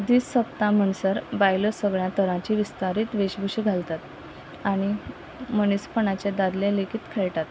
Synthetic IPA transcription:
d̪iːssəp̚t̪ãməɳsəɾbajləsəɡɭjãt̪əɾãt͡ɕiːʋist̪aɾiːt̪ʋeɕbʱuɕiɡʱalt̪at̪ | aɽ̃i | mənispəɳat͡ɕed̪ad̪lẽlekʰit̪kʰeɭʈ̪at̪

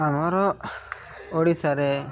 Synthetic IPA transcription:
amaɾɔ | oɽisaɾɛ

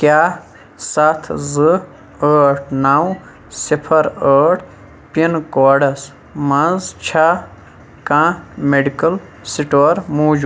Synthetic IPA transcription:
kja | sat̪ʰzɨ | əːʈʰnaw | sipʰɐɾəːʈʰ | pinkoːɖɐs | mɐ̃zt͡ʃʰa | kãmeɖikɐl | siʈoːɾmuːd͡ʒu

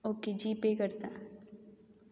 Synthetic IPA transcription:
okid͡ʒiːpekəɾt̪a̰

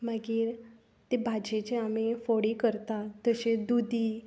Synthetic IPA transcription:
məɡiːɾ | t̪ebʱad͡ʑet͡ɕeamifoɽikəɾt̪at̪əɕed̪ud̪ʱiː

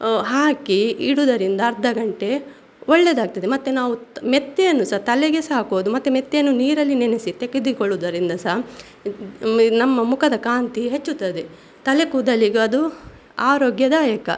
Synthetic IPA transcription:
ɦaːkiiɽud̪ɐɾind̪ɐːɾd̪ʱːɐɡɐɳʈe̞ | ɔɭːed̪aːɡ̚t̪ɐd̪emɐt̪ːenaːʋumet̪ːejɐnːusɐɦt̪ɐlɛɡesaːkuʋd̪umɐt̪ːemet̪ːejɐnːuniːɾɐlːinenesit̪eɡed̪ikoɭːud̪ɐɾind̪ɐsɐɦ | nɐmːɐmukʰɐd̪ɐkaːnt̪iɦet͡ʃːut̪ːɐd̪e | t̪ɐlekuːd̪ɐliɡeɐd̪u | aːɾoːɡjɐd̪ɐjɐkɐ̰

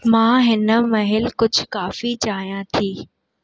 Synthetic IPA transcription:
mãːɦɪnə̆mɐɦɪlkʊd͡ʑʱkaːfit͡ɕaːɦijãt̪ʰiː

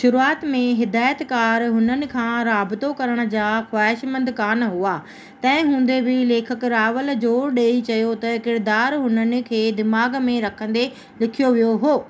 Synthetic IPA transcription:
ʃʊɾuaːt̪mẽɦɪd̪aːjət̪kaːɾɦʊnənɪ̆kʰãːɾaːbɪt̪okɐɾəɽ̃̆d͡ʑaːxwaːɪʃmɐ̃nd̪kaːnɦuaː | t̪ɐ̃ɦɪ̃ɦũːn̆d̪ebʱɪleːkʰəkɾaːʋəld͡ʑoːɾɗeːit͡ɕɐjot̪ɐkɪɾd̪aːɾɦʊnənɪ̆kʰeːd̪ɪmaːɡmẽɾɐkʰə̃nd̪e | lɪkʰijoʋijoɦoː

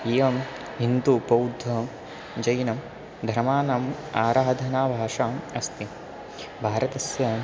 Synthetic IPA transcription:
eːʋɐm | ɦind̪upɐwd̪ʱːɐɦ | d͡ʒɐjnɐm | d̪ʱɐɾmaːnɐm | aːɾaːd̪ʱɐnaːbʱaːʂaːmɐst̪i | bʱaːɾɐt̪ɐsjɐ

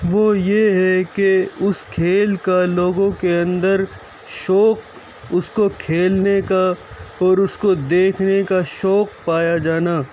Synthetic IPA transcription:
ʋoːjeɦɛkeʊskʰeːlkaloːɡõkeɐ̃nd̪əɾ | ʃɔːq̚ | ʊskokʰeːlnekaɔːɾʊskod̪eːkʰnekaʃɔːk̚paːjad͡ʒaːnaː

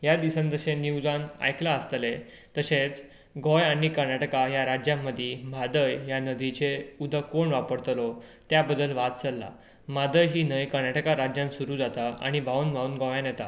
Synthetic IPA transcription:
jad̪isãnd͡zəɕẽniwd͡zana̰jklaəst̪le | t̪əɕẽt͡s | ɡɔjaɽ̃ikəɾnaʈəkajaɾad͡ʑjãmːəd̪ʱimad̪əjjanəd̪ʱit͡ɕeud̪ʱəkoɳʋapəɽt̪lɔt̪jabəd̪ːəlʋat̪̚t͡səlːa̰ | mad̪əjɦiːnəjkəɾnaʈəkaɾad͡ʑjãnsuɾuːd͡zat̪aa̰ɽ̃ibʱaunbʱaunɡɔjãnjɛt̪a̰

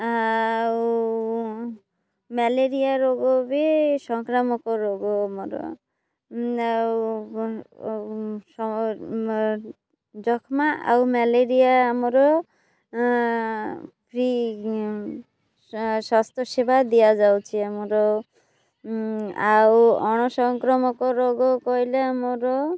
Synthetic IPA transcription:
aw | mɛleɾijaɾoɡɔbesɔŋkɾamɔkɔɾoɡɔamɔɾɔ̰ | a | ɔ | d͡ʒɔkʰmaʔa̰wmɛleɾijaːmɔɾɔ | pʰɾi | swast̪ʰjɔsibʱad̪ijad͡ʒawt͡ʃʰiamɔɾɔ | awɔɽ̃ɔsɔŋkɾɔmɔkɔɾoɡɔkɔɦileamɔɾɔ

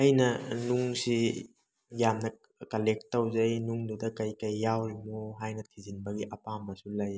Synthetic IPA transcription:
ɐjnɐnuŋsi | jamnɐ | kɐlek̚tːɐwzɐjnuŋdudɐkɐjkɐjːawmoɦajnɐtʰizinbɐɡiʔɐpamɐsulɐj

